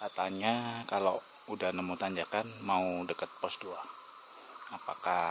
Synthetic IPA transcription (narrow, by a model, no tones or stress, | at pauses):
kat̪anɲakalo | udahnəmut̪aɲd͡ʒakanmaudəkət̪̚pɔsdua | apa̰ka